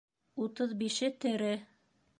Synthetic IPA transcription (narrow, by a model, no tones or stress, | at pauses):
ut̪ɤðbiʃɘt̪ɘ̆ɾɘ